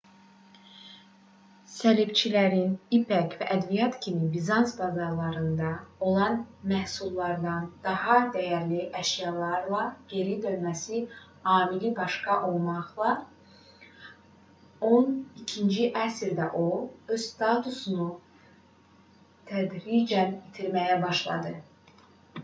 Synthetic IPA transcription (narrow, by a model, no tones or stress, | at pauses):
sælibt͡ʃʰilæɾinipʰækvæʔæd̪vijɑt̪cʰiminbizɑnsbɑzɑɾlˠɑɾɯnd̪ɑo̞lˠɑnmæhsulˠːɑɾd̪ɑnd̪̥ɑhɑd̪æjæɾliʔæʃjɑlˠɑɾlˠɑɡ̥e̞ɾid̪ønmæsi | hɑːmilibɑʃkɑʔo̞lˠmɑʁlˠɑ | o̞nicʰind͡ʒiʔæsɾd̪æʔoø̞z̥st̪ɑt̪ʰusunu | t̪ʰæd̪ɾid͡ʒænbit̪ʰiɾmæjæbɑʃlˠɑ̰d̪ɯ